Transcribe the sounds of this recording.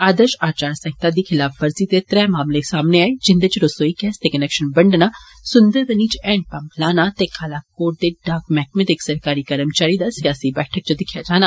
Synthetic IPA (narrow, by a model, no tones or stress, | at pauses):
aːd̪əʃaːt͡ʃaːɾsə̃ŋt̪aːd̪iːkʰɪlaːfʰʋəɾziːt̪eːt̪ɾɛːmaːmlesaːmneːaːeːd͡ʒɪnd̪eːt͡ʃɾosoːiːkɛːst̪eːkənɛːkʃənbəɳɖnaː | sʊnd̪əɾʋəniːt͡ʃɛ̃ːɳʈ̚pə̃mplaːnaːt̪eːkʰaːlaːkoːʈ̚d̪eːɖaːkmɛːk̚met̪ɪksəɾkaːɾiːkəɾəmt͡ʃaːɾiːd̪aːsɪjaːsiːbɛːʈʰək̚t͡ʃəd̪ɪkʰjaːd͡ʒaːnaː